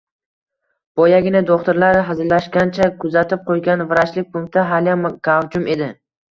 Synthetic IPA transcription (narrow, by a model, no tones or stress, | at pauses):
b̥ɒjaɡʲɪnɪd̪oχt̪ʊɾlaɾɦɪzɾlaʃkʲant͡ʃʰakʰʊzat̪ʰɪp̚qʰojɡʲanvɪɾaʃlɪk̚ʲpʰʊŋkt̪ʰaɦaljamkavd͡ʒʊme̞d̪ɪ